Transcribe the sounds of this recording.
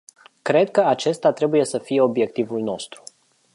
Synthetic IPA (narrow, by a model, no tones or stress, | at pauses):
kɾe̞d̪̚kəat͡ʃe̞st̪at̪ɾe̞buje̞səfije̞o̞bje̞k̚t̪ivulno̞st̪ɾu̥